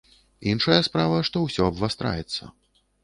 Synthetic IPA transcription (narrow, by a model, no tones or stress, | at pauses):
inʂɐjɐspɾavɐʂt̪ɔwsʲɔɐbvast̪ɾa̰jɛt̪sːɐ̰